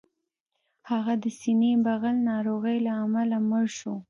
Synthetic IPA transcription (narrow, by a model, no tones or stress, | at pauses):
haɣad̪əsinebaɣalnɑɾoɣəjlaːmalaməɾʃo